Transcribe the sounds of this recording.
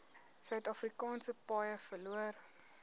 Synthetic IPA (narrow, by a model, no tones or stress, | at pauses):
sœɥtɐfrikɑːnsəpɑːjəfəluər